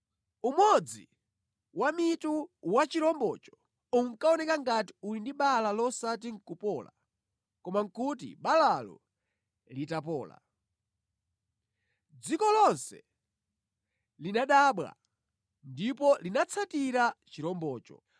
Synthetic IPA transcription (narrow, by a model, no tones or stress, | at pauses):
umwɔd͡zḭ | wamituwat͡ʃiɾɔmbɔt͡ʃɔ̥ | uŋkaɔnɛkaŋɡati̥ulindiɓalalɔsat̬iŋ̩kupɔːla̰ | kɔmaŋkutḭɓalalɔ̰ | litapɔːla̰ | d͡zikɔlɔnsɛ̰ | linaɗaːɓwa̰ | ndipɔlinat͡sʰatiɾat͡ʃiɾɔmbɔːt͡ʃɔ̰